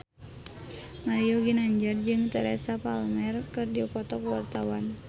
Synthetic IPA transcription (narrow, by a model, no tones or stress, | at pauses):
maɾijoɡinaɲd͡ʒard͡ʒɨŋt̪ɛɾɛ̰sapalmɛrkɨrdiukɔt̪ɔkuwa̰rt̪awan